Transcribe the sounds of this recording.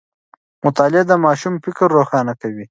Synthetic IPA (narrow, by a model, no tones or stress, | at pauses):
mʊt̪ɑːlɪd̪əmɑːʃumfɪkɾːoxɑːnakawi